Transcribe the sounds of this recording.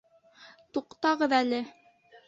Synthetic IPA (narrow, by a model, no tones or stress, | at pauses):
t̪uqt̪ɑʁɤðælɘ